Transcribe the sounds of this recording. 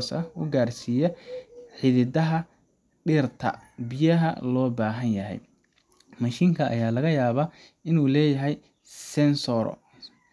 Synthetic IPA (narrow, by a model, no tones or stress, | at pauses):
sɐʊɡaːrsiːjɐħɪðɪd̪ɐɦɐ | ɖɪrt̪ʰɐ̰bɪjɐɦɐ̰lɔːbaːɦɐnjɐɦɛ̰j | mɐʃiːŋkʰɐʔɐ̰jaːlɐɣɐjaːβaː | ɪnuːlɛːjɐɦɛj | sɛnsɔːɾɔ̰